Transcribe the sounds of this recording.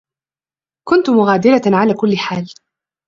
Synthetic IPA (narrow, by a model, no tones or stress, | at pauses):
kʊnt̪ʊmʊɣaːd̪ɪɾaʕalaːkʊlːɪħaːl